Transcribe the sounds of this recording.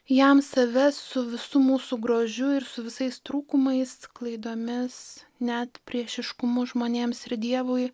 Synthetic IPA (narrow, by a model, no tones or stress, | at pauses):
jɛmsɐʋʲɛssʊʋʲɪsʊmuːsuɡɾoːʒʲʊɪɾsʊʋʲɪsɐɪst̪ɾuːkʊmɐɪsklˠɐɪd̪oːmʲɪs | nʲæt̪pʲɾʲiɛʃʲɪʃkʊmʊʒmoːnʲeːmsɪɾd̪ʲiɛʋoj